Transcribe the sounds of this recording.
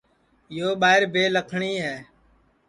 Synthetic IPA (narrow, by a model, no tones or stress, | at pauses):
joːɓaːɦɪɾbʱeːləkʰɳiːɦɛː